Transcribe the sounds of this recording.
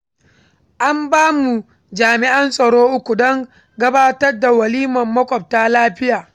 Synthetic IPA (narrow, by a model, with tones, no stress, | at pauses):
ʔa˦mbaː˦mu˨ | d͡ʒaː˨mɪ˨ʔɐ˦nsʼɐ˨ɽoː˦ʔʊ˦kʷu˨dɔ˦ŋ | ɡɐ˦baː˦tɐ˦rda˨wɐ˨liː˦mɐ˨mːɐ˦kʷʼɔ˨p̚taː˦laː˦ɸɪ˦jaː˨